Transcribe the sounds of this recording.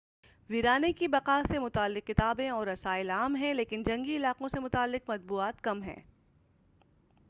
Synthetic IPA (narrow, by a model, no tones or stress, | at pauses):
ʋiɾaːnekibɐqaːsemʊt̪aːlːɪqːɪt̪aːbẽɔːɾːɐsaːɪlaːmɦɛ̃leːkɪnd͡ʒɐ̃ŋɡiɪlaːqõsemʊt̪aːlːɪqmɐt̪̚buːaːt̪kɐmɦɛ̰̃ː